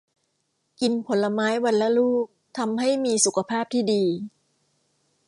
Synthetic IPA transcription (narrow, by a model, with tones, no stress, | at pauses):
ki˧npʰo˩˦lːa˧maː˦˥jwa˧nla˦˥luː˥˩k̚t̪ʰa˧mɦa˥˩jmiː˧su˨˩kʰa˧pʰaː˥˩p̚t̪ʰiː˥˩diː˧